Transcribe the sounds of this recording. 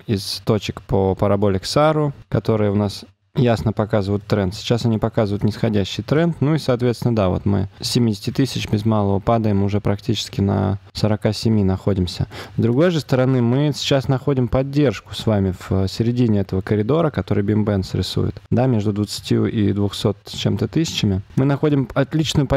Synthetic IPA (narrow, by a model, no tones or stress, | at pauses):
ɪst̪o̞t͡ɕɪkpopəɾɐbo̞lʲɪksaɾʊkɐt̪o̞ɾɨjəʊnas | jasnəpɐkazɨvʊjʊt̪ːɾɛnt̪sʲɪ̥t͡ɕasɐnʲipɐkazɨvʊjʊt̪nʲɪsxɐdʲæɕːɪjt̪ɾɛnt̪nuisɐːt̪vʲet̪sʲɪnəd̪avo̰t̪mɨ̰sʲɪmʲidʲɪsʲtʲɪt̪ɨsʲɪt͡ɕbʲɪzmalˠəvəpad̪əjɪmʊʐɛpɾɐktʲit͡ɕɪ̥skʲɪnə̰səɾɐkasʲɪmʲinɐxo̞dʲɪmsʲə̰zd̪ɾʊɡo̞jʐɨst̪əɾɐnɨmɨsʲɪ̥t͡ɕasnɐxo̞dʲɪmpɐdʲːe̞rʂkʊ̥svamʲɪfsʲɪɾʲɪdʲinʲɪɛt̪əvəkəɾʲɪd̪o̞ɾəkɐt̪o̞ɾɨjbʲɪmbɛnsɾʲɪ̰sṵjɪ̰t̪d̪amʲe̞ʐd̪ʊd̪vət̪sɨ̥tʲjṵʔḭd̪vʊxso̞t̪t͡ɕe̞mt̪ət̪ɨsʲɪ̥t͡ɕɪmʲɪmɨnɐxo̞dʲɪmɐt̪lʲit͡ɕnʊjʊp